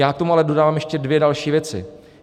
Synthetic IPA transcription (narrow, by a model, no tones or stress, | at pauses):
aːt̪o̞mualɛdo̞daːvaːmjɛʃcɛdvjɛdalʃiːvjɛt͡sɪ̰